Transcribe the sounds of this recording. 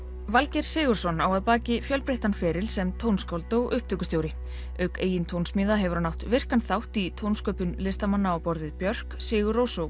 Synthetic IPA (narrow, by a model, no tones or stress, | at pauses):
valcɛɾ̥sɪːɣʏɾ̥sɔnaːwaðpaːcɪfjœlpɾeht̪anfɛːɾɪlsɛmt̪ʰownskawlt̪ɔwʔʏhpt̪ʰœːkʏst̪jowɾɪ | œɥkeːjɪnt̪ʰownsmiːðaɦɛvʏɾanawht̪vɪr̥kanθawht̪it̪ʰownskœːpʏnlɪst̪amanːaawpɔɾðɪðpjœr̥ksɪːɣʏrowsow